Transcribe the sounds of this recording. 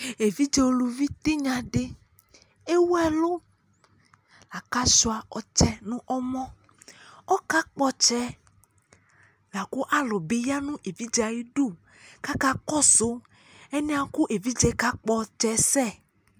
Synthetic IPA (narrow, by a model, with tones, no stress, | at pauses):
e˨vi˦d͡ʒe˨wo˨lu˨vi˦t̪e˦ɲã˨ɖe˦ | e˦wo˦ɛ˦lo˦ | la˨ka˦ʃo˨a˨ɔ˨t͡ʃɛ˦nũ˦ʔɔ˦mɔ̃˦ | ɔ˦ka˦k͡pɔ˦t͡ʃɛ˦ | la˨ku˦ʔa˦lɔ˨be˨˦ja˦nũ˦ʔe˨vi˦d͡ʒa˨ji˦ɖu˦˨ | ka˦ka˦kɔ˦so˨˦ | e˦nẽ˦a˨ku˦ʔe˨vi˦d͡ʒɛ˨˦ka˦k͡pɔ˦t͡ʃɛ˨˦sɛ˦˨